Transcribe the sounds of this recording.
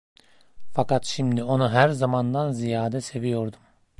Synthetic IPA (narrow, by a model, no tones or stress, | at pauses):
fakat̪ʃimd̪io̞nuɦæɾzamand̪anzijaːd̪ɛse̞vijo̞ɾd̪um